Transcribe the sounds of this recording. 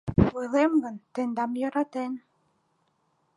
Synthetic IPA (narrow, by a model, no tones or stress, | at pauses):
βɤlemɡənt̪end̪ɑmjɤ̆ɾɑt̪en